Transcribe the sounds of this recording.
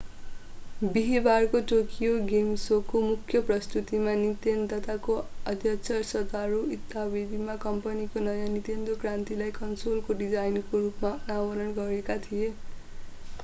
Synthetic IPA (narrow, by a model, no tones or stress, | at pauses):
biɦibarkoʈokijoɡemsokomukʰjʌprʌst̪ut̪imanit̪end̪ʌt̪akoʌd̪ʱjʌkt͡sʰʌrsʌd̪aɾuit̪ːabid̪ʱimakʌmpʌnikonʌjanit̪end̪okrant̪ilajkʌnsolkoɖid͡zajnkoɾupmaunabʌɾʌnɡʌɾekat̪ʰije